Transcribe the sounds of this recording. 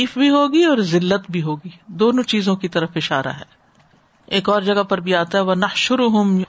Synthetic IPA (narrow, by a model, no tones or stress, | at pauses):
iːfbʱiɦoːɡiɔːɾzɪlːət̪bʱiɦoːɡiːd̪oːnõt͡ʃiːzõkit̪ɐɾəfɪʃaːɾa̰ɦɛ̰ː | eːkɔːɾd͡ʒɐɡapɐɾbʱiaːt̪aɦɛʋɐnɐhʃʊɾʊɦʊm